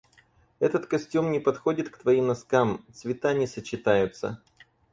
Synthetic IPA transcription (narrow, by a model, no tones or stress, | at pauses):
ɛt̪ət̪kɐsʲtʲumnʲɪpɐt̪xo̞dʲɪt̪kt̪vɐimnɐskamt̪svʲɪt̪anʲɪsət͡ɕːɪt̪ajʊt̪sə̰